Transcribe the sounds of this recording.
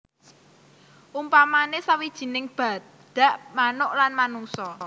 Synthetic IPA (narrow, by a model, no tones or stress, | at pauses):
ʔumpamanesawid̥ʒ̥i̤nɪŋb̥a̤ | d̪̥ä̤ʔmanʊʔlanmanuŋsɔ